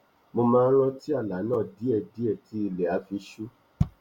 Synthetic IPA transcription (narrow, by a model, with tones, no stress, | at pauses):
mo˧mãː˧n̩˦ɾ̃ɔ̃˧ti˦a˦˨la˨˦nãː˦˨di˨˦ɛ˦˨di˨˦ɛ˦˨ti˦i˧lɛ˨a˧˦fi˧ʃu˦